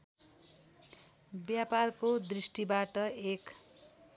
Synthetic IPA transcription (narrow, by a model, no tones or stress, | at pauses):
bjaparkod̪risʈibaʈʌek